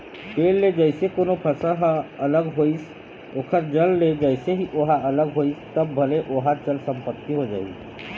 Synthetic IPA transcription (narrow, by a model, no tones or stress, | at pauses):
ʈeːlːed͡ʒəɪsekoːnopʰəsəɦələɡɦois | okʰəɾd͡ʒəlːed͡ʒəɪseɦiʔoɦaələɡɦoːist̪əbːʱəleʔoɦat͡ʃəlsə̃mpət̪ːiɦod͡ʒa̰ːḭ